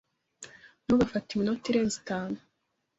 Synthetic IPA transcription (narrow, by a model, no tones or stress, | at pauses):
nuβafatiminotiɾeːnzitaːnu